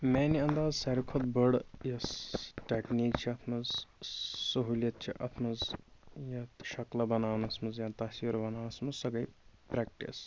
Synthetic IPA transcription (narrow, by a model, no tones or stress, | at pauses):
meːniɐnd̪aːzsɐɾikʰot̪bəɽjɐsʈeːkniːk̚t͡ʃʰiɐt̪ʰmɐz | sɐɦuːljɐt̪̚t͡ʃʰḭʔɐt̪ʰmɐzjɐt̪ʃɐklɐbɐnaːnɐsmɐzjaːnt̪ɐsʋiɾbɐnaːnɐsmɐzsɐɡɐjpɾeːk̚ʈḭs